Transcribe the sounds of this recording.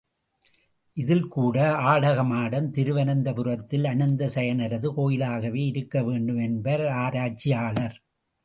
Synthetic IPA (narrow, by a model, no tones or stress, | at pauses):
ʔɪðɪlkuːɽɐaːɽɐɣɐmaːɽɐmt̪ɪɾɯʋɐnɐnd̪ɐpɯrɐt̪ːɪlɐɳɐnd̪ɐsɛjɐnɐɾɐðɯkoːjɪlaːɣɐʋeːɪɾɯkːɐʋeːɳɖɯmɛnbɐɾaːɾaːt͡ʃːijaːɭɐɾ